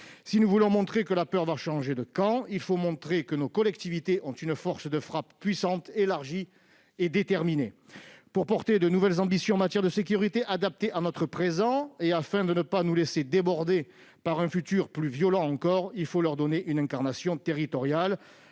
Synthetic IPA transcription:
sinuvulɔ̃mɔ̃t̪χekəlapœʁvaʃɑ̃ʒed̪əkɑ̃ilfomɔ̃t̪χekənokɔlɛkt̪ivit̪eʔɔ̃t̪ynfɔʁsd̪əfχappɥisɑ̃t̪elaʁʒi | ed̪et̪ɛʁminepuʁpɔʁt̪ed̪ənuvɛlzɑ̃bisjɔ̃ɑ̃mat̪jɛʁd̪əsekʲyʁit̪eʔad̪ap̚t̪eʔanɔt̪χəpχezɑ̃eafɛ̃d̪ənəpanulesed̪ebɔʁd̪e | paʁɛ̃fyt̪yʁplyvjɔlɑ̃ɑ̃kɔʁilfolœʁd̪ɔneʔynɛ̃kaʁnasjɔ̃t̪eʁit̪ɔʁjal

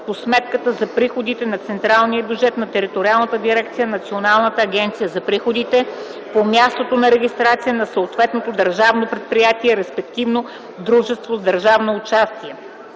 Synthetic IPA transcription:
posmɛt̪̚kət̪əzɐpɾixod̪it̪ɛnɐt̪sɛnt̪ɾalˠnijəbʲjud͡ʒɛt̪nɐt̪ɛɾit̪oɾialˠnət̪əd̪iɾɛk̚t̪sijənɐt̪sionalˠnət̪əːɡʲɛnt̪sijəzɐpɾixod̪it̪ɛ | pomʲjast̪ot̪onɐɾɛɡʲist̪ɾat̪sijənɐsɐot̪vɛt̪not̪od̪ɐɾʒavnopɾɛt̪̚pɾijat̪iɛɾɛspɛkt̪ivno | d̪ɾuʒɛst̪vozd̪ɐɾʒavnoːt͡ʃast̪iɛ

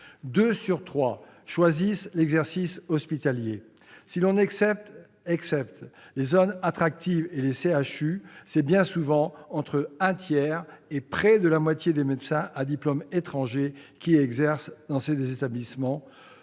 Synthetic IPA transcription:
d̪øsyʁt̪χwa | ʃwazislɛɡzɛʁsisɔspit̪alje | silɔ̃n | ɛksɛp̚t̪lezɔnat̪χak̚t̪iveleseaʃysɛbjɛ̃suvɑ̃ɑ̃t̪χəɛ̃t̪jɛʁepχɛd̪əlamwat̪jed̪emed̪sɛ̃ʔad̪iplɔmet̪χɑ̃ʒekʲiɛɡzɛʁsd̪̥ɑ̃sed̪ezet̪ablismɑ̃

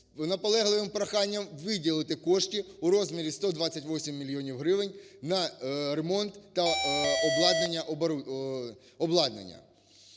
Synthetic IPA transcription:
nɐpɔlˠɛɦlˠɪʋɪmpɾɐxɑnʲːɐmʋɪdʲilˠɪt̪ɪkɔʃtʲiuɾɔzmʲɪɾʲist̪ɔd̪ʋɑt͡sʲɐtʲʋɔsʲimːʲilʲijɔnʲiwɦɾɪʋɪnʲnɐɾemɔnt̪ːɐɔblˠɑd̪nenʲːɐʔɔb | ɔblˠɑd̪nḛnʲːɐ̰

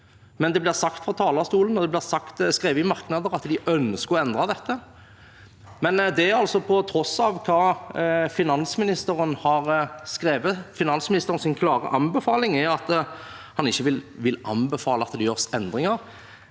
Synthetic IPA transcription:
mɛnd̪ɛblɪʁsɑk̚t̪fʁɔt̪ʰɑːlɑst̪uːlənɔd̪ɛblɪʁsɑkt̪skʁeːʋəɪmɑʁknɑd̪əʁɑt̪d̪ɪʔœnskəɔɛnd̪ʁɑd̪ɛt̪ːə | mɛnd̪ɛɑlsɔpʰɔt̪ʰɾɔsːɑʋkʰɑːfɪnɑnsmɪnɪst̪əʁənhɑʁskʁeːʋəfɪnɑnsmɪnɪst̪əʁnsɪnkʰlɑːʁə̰ʔɑmbɛfɑːlɪŋɛɑt̪ | hɑnɪçːəʋɪlʋɪlɑ̰nbɛfɑːləɑt̪d̪ɛjøːʁsɛnd̪ʁɪŋəʁ

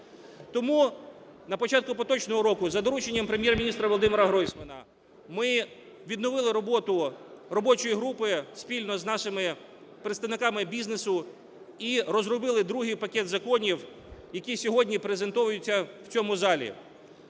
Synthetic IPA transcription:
t̪ɔmunɐpɔt͡ʃɑt̪̚kʊpɔt̪ɔt͡ʃnɔɦɔɾɔkʊzɐd̪ɔɾut͡ʃenʲːɐmpɾemʲjɛrmʲinʲist̪ɾɐʋɔlˠɔd̪ɪmɛɾɐɦɾɔjsʲmɐnɐ̰ | mɪ | ʋʲid̪nɔʋɪlˠɪɾɔbɔt̪ʊrɔbɔt͡ʃɔjiɦɾupɪsʲpʲilʲnɔznɑʃɪmɪ | pɾet̪st̪ɐʋnɪkɑmɪbʲiznesʊ | iɾɔzɾɔbɪlˠɪd̪ɾuɦijpɐkʲɛt̪zɐkɔnʲiw | jɐkʲisʲɔɦɔdʲnʲipɾezent̪ɔʋʊjʊt͡sʲːɐwt͡sʲɔmʊzɑlʲḭ

